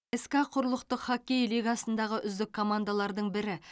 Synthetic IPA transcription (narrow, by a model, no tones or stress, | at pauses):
eskaqʰʊɾlˠəqt̪əqχakʲːejlijɡɑsənd̪ɑʁəʔʏzd̪ɪkʰːo̞mand̪alˠɑɾd̪əɴbɪɾɪ